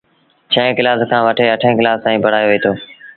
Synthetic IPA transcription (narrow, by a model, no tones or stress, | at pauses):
t͡ʃʰəɦẽːkɪlaːskʰãːʋəʈʰeːəʈʰẽːkɪlaːst̪ãːĩːbʱəɽ̤aːjoːʋiːt̪ʰoː